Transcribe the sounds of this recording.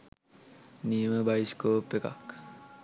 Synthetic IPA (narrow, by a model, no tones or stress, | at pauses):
niməbaiskopːeka̰k